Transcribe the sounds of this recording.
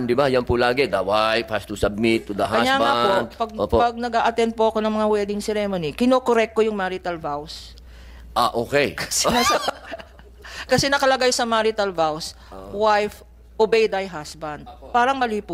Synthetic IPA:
d̪ɪbajɐnpʊlaːɡɛd̪awajfhast̪usɐb̚mɪt̪ːʊd̪ɐɦakɐsjaːŋbapod̪pɐɡ̚opopɐɡ̚nɐɡʔaːʔɐt̪ɛnd̪̚poʔɐko̞nɐŋmɐŋawɛːd̪ɪŋsɛɾɛmonikɪnoːkoɾɛk̚t̪ojʊŋmaɾɪt̪ɐlvaws | ʔaʔokɛjkɐ̥sɛŋasɐ | kɐsɛnɐkɐlɐɡajsɐmaɾɪt̪ɐlvaws | wajf | ʔobɛjd̪ɐjɦasbɐnd̪̚paːɾɐŋmɐliːpʊ

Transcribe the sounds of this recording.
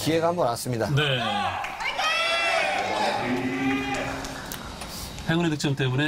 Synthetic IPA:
kie̞ɡahambʌnas͈ɯmɲidane | heɡunedɯk̚t͡ɕ͈ʌmt͈emune

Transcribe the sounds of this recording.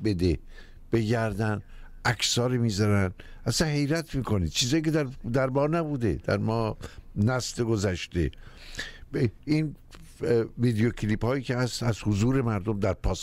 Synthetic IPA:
be̞d̪e | b̥e̞ɟæɾd̪æn | ækʰsɒːɾemiːzɒɾænæsænɦe̞jɾæt̪ʰmiːkʰoniːd̪̥̚t͡ʃʰiːzɒːjced̪æɾd̪æɾbɒːɾnæbuːd̪e̞̰d̪̥æ̰ɾmɒːnæsleɡozæʃt̪ḛ | iːn | viːd̪eocʰliːphɒːjiːcʲʰehæst̪æzhozuːɾe̞mæɾd̪omd̪æɾpʰɒːs

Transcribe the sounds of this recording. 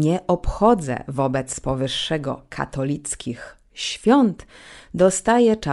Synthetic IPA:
ɲɛʔɔpxɔd̪zɛ̰vɔbɛt̪spɔvɘʂːɛɡɔ̰kʰa̰t̪ɔlʲit̪skʲix | ɕfʲjɔnt̪d̪ɔst̪ajɛt͡ʂa

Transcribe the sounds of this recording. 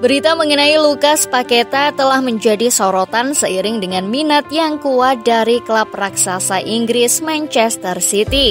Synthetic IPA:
bəɾit̪aməŋənailukaspaket̪at̪əlahməɲd͡ʒadisoɾot̪ansəiɾɪŋdəŋanminat̪̚jaŋkuat̪̚daɾiklap̚raksasaʔiŋɡɾɪsmant͡ʃɛst̪ərsit̪i

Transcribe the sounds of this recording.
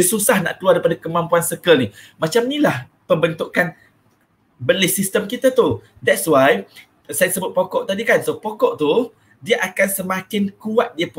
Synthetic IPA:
əsusahna̰ʔk̪əluaɾaipadakəmãmpuansəkəlnimat͡ʃamnĩlah | pəmbənt̪uʔkan | bəlɪsist̪əmkit̪at̪u | dɛt̚swaj | sajasəbʊt̪̚pokɔʔt̪adikansopokɔʔt̪u | diaʔakansəmãkɪnkuat̪̚diap

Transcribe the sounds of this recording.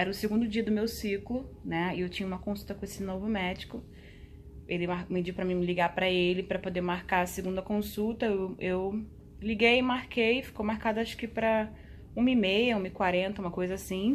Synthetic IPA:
ɛɾɐʊseɡũnd̪ʊd͡ʒiɐd̪ʊmewsiklʊnɛɪewt͡ʃĩɲɐũmɐkõsut̪ɐkõesɪnovʊmɛd͡ʒɪkʊ | elɪmamɪd͡ʒiwpɾɐmĩmɪliɡapɾɐelɪpɾɐpod̪eɾmaɾkaɾɐseɡũd̪ɐkõsut̪ɐewew | liɡejɪmaɾkejfi̥kowmaɾkad̪ʊaʃʊ̥kɪpɾɐ | ũmɐimejɐũmɐɪkwaɾẽnt̪ɐũmɐkojzɐasĩ

